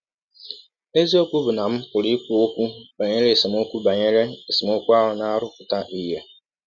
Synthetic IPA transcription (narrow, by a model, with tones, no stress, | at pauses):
e˦zi˦o˦kʷu˦bʊ˨na˨m̩˦pʊ˨li˦ku˨o˦kʷu˦ba˨ɲe˦ɾe˦˨si˨m˦o˦kʷu˦ba˨ɲe˦ɾe˦e˨sɪ˨m˦o˦kʷu˦a˦ɦʊ˨na˦ɾʊ˦kʊ˨ta˦ʔi˦ja˦